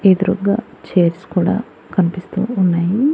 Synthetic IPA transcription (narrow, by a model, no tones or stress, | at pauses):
ed̪uɾuɡa̰ːt͡ʃeːɾskuːɽa̰ː | kɐnipist̪ṵːunːaːji